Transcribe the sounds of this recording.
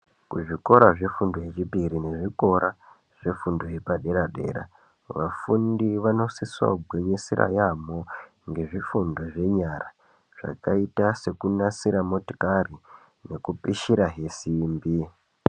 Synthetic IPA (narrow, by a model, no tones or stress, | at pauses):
kuʐiko̞ɾaʐe̞fundoɦet͡ʃipiɾine̞ʐiko̞ɾa | ʐ̥e̞fundoɦepaɗe̞ɾaɗe̞̰ɾa̰ | ʋafundiʋano̞siswa̰bʱwe̞ɲesiɾa̰jamo | ŋɡe̞ʐifundo̞ʐe̞ɲara | ʐ̥a̰kaitase̞kunasiɾamo̞to̥kari | ne̞kupiʃiɾaɦe̞simbi